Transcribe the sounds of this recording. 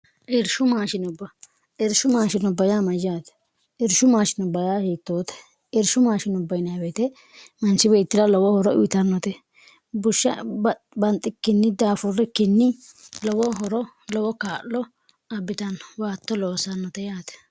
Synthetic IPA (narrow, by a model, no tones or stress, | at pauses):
ʔɛɾʃʊmaːʃɪnʊbːɐ | ʔɛɾʃʊmaːʃɪnʊbɐjaːmɐjaːt̪ɛ̥ | ʔɛɾʃʊmaːʃɪnʊbɐjaːhiːt̪ːoːt̪ɛ̥ | ɛɾʃʊmaːʃɪnʊbːɐjɪnɐbet̪ɛ | mɐnt͡ʃːɪbeːt̪ːɪd̪ɐlɔwɔhɔɾɔʊɪt̪ɐnːɔt̪ɛ | bʊʃːɐ̰ | bɐnt̪ʼːɪkːɪnːɪd̪aːfʊrːɪkːɪnːɪlɔwɔɦɔɾɔ | lɔwɔkaːʔɔ | ɐbːɪt̪ɐnɔ̥waːt̪ːɔloːsɐnːɔt̪ɛjaːt̪ɛ̥